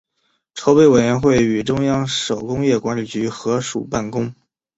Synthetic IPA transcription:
ʈ͡ʂʰo˧˥ʊpe˥ɪwe˨˩ɪɥɛ˧˥nxwe˥˩ɪy˨˩ʈ͡ʂʊ˥ŋjɑ˥ŋʂo˨˩ʊkʊ˥ŋjɛ˥˩kwa˧˥nli˨˩t͡ɕy˧˥xɤ˧˥ʂṵ˨˩pa˥˩nkʊ˥ŋ

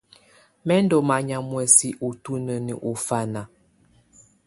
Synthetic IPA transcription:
mɛ˦n˦dɔ˨ma˨ɲa˨mwɛ˨si˦ʔu˨tu˦nə˨nə̰˨ʔu˨fa˦na˨

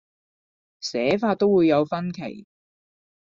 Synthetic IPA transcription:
sɛː˨˥faː˧t̪̚o˥wuː˨˧jːɐ˨˧wfɐ˥nkʰḛ˨˩j

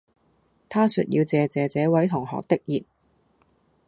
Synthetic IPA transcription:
t̪ʰaː˥sy̰˧t̚jḭ˧wt͡sɛː˨t͡sɛː˨t͡sɛː˨˧˥wɐ˨˥jt̪ʰʊ˨˩ŋhɔ̰ː˨k̚t̪ɪ˥k̚jiː˨˩t̚

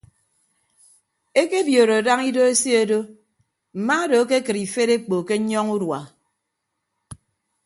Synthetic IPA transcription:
e˦ke˦bjo˨ɾo˨a˨da˦ŋi˦do˦e˦si˦o˦do˦ | m̩˨ma˦do˨a˦ke˦kɨ˨ɾi˨fe˦ɾe˦k͡po˨ke˦ɲɔ˦ŋu˦dwa˨

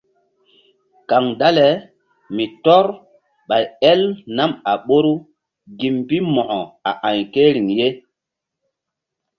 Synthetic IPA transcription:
ka˨ŋda˦le˨ | mi˨tɔ˦ɾ | ɓa˨jɛ˦lna˦ma˨ɓo˦ɾu˦ | ɡi˨mbi˦mɔ˨ʔɔ˨a˨ʔã˨jke˦ɾi˨ŋje˦

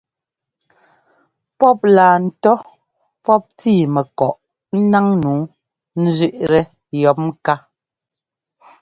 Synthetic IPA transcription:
pɔ˦p̚laː˨n̩˨˦tɔ˦ | pɔ˦p̚tiː˦˨mɛ˨kɔ˨ʔ̩˦ | na˦ŋnuː˨˦ | n̩˦zɥʉ˦ʔɾɛ˨ | jɔ˨˦p̚m˦ka˦

